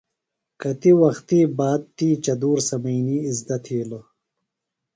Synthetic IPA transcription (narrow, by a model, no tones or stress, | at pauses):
kɐt̪iwɐxt̪iːbaːd̪̚t̪iːt͡ɕɐd̪uːɾsɐmijniːzd̪ɐt̪ʰiːlo